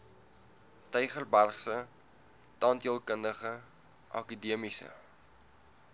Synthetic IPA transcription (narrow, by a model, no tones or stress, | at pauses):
təjχərbærχsə | tɑːntiəlˠkəndəχə | ʔɑ̰kudiəmisə̰